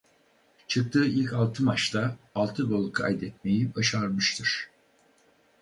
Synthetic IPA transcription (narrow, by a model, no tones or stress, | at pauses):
t͡ʃʰɯk̚t̪ʰɯːʔilʲcalˠt̪ʰɯmat͡ʃt̪ʰaːlˠt̪ʰɯbolˠkʰa̰jd̪ɛt̪̚me̞jibaʃaɾmɯʃt̪ʰɯɾ̥